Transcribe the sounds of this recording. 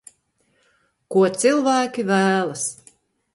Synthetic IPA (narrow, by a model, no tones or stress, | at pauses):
kuɔt̪sɨlˠvæːkʲivæːlˠɐs